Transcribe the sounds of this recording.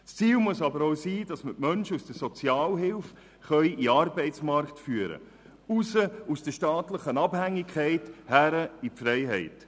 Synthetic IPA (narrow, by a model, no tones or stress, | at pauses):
st͡siːlmuəsɑbəɾoʊsiːd̥ɑsmətmœnʃəusd̥əsɔt͡sjɑːlɦɪlf | χœʏʔiɑrbɛɪt͡smɑɾktfyːəɾə̰ | usəusd̥əʃtɑːtləχənɑbhæŋːikʰχɛɪthæɾəipfɾɛɪɦɛɪt